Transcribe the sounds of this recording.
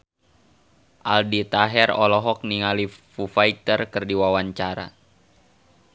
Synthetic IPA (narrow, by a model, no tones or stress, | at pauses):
ʔaldit̪aɦɛrɔlɔɦɔk̚niŋalifufait̪ərkərdiwawaɲt͡ʃaɾa̰